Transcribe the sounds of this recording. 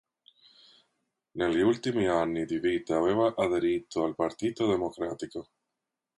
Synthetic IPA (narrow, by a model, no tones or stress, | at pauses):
neljult̪imianiðiβit̪aβeβaʔaðeɾit̪oalpaɾt̪it̪oðemokɾat̪iko